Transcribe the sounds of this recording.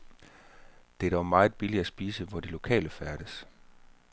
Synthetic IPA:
d̥e̝d̥ɒmɑ̈ːð̩ˠb̥iliæsb̥iːsəʋɒd̥ilo̝kʰɛ̰ːləfæɐɾ̥əs

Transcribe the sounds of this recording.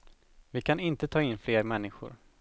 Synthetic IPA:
vɪkʰanɪnt̪ət̪ʰɑːɪnːfleːɾmɛnːɪɧʊ̰ɾ

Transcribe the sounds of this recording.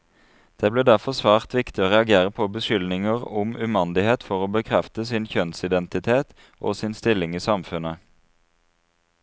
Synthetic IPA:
d̪̥eːbleːd̪æʁfɔsʋæːʁt̪ʋɪkt̪ɪoːʁɛɑɡeːʁəpʰoːbəʃʏlnɪŋəʁʊmʉmɑnd̪ɪheːt̪fɔʁoːbəkʰʁɛft̪əsɪnçœnsɪd̪ɛnt̪ɪt̪ʰeːt̪ | ʔo̰ːsɪnst̪ɪlɪŋiːsɑmfʉnə

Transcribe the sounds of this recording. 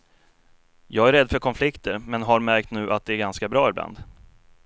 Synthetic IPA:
jɑːɡæɾɛd̪ːfœɾkʰɔnflɪkt̪əɾmɛnɦaɾmæɾk̚t̪nʉ̟ːʔat̪̚d̪ɛæɾɡanskabɾɑːɪbla̰nd̪

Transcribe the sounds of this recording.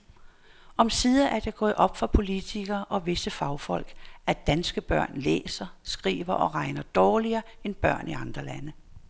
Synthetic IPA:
ʔɒ̽msiðˠɐʔæɐd̥eɡ̥ɔ̰ːð̩ˠʔɒ̽b̥fɒpʰo̝lit͡sʰiɡ̥ɐːʔɒ̽ʋe̝səfɑ̈ʊfɒ̽l̰ɡ̥æd̥ænsɡ̥əb̥ɶɐ̰nlḛːsɐsɡ̥ʁḭːʋɐʔɒ̽ʁɑ̈ɪnɐd̥ɒːliɐːenb̥ɶ̰ɐ̰niɑ̈nd̥ʁɐlænə

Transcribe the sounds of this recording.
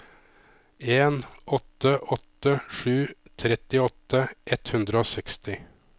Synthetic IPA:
eːnʔɔt̪əʔɔt̪əʂʉːt̪ʰɾɛt̪ɪɔt̪əʔɛt̪hʉnd̪ɾəoːsɛkst̪ɪ

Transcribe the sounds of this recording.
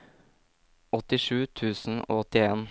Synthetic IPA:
ɔt̪ɪʃʉːt̪ʰʉːsn̩o̰ːɔt̪ɪeːn

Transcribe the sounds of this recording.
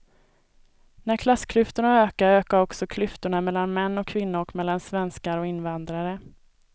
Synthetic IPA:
næɾkʰlasːkʰlʏft̪ʊɳaøːkaɾøːkaɾɔksɔkʰlʏft̪ʊɳamɛlːanmɛnːɔkʰːvɪnːʊɾɔkmɛlːansvɛnskaɾɔɪnːvand̪ɾaɾə

